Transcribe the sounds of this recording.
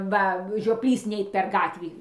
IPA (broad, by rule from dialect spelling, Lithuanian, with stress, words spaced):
ˈʋɐ ʒʲoːˈpʲlʲiːs ˈnʲɛɪt pʲɛr ˈɡɑːtʲʋʲiː